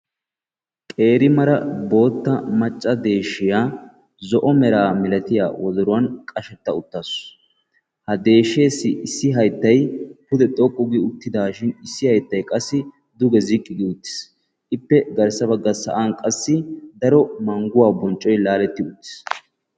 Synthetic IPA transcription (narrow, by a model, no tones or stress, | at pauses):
kʼe̞ːɾɪmɐɾɐbo̞ːt̪ːɐmɐt͡ʃʼːɐd̪e̞ːʃɪjaː | zɔʔɔmɛɾaːmɛlɐt̪ɪja̰ːwʔɔd̪ɔɾʊwɐnkʼɐʃɛt̪ːɐʊt̪ːas | hɐd̪e̞ːʃe̞ːsːɪʔɪsːɪɦɐjt̪ːɐjpʊd̪ɛt̪ʼɔkʼːʊɡɪʊt̪ːɪd̪aːʃɪnɪsːɪhɐjt̪ːɐjkʼɐsːɪ | d̪ʊɡɛzɪkʼːɪɡɪʊt̪ːɪ̥s | ʔɪpːɛɡɐɾsɐbɐɡːɐsɐ̰ʔaːnkʼɐsːɪd̪ɐɾɔmɐŋɡʊwaːbɔnt͡ʃʼːɔjlaːlɛt̪ːɪʊt̪ːɪ̥s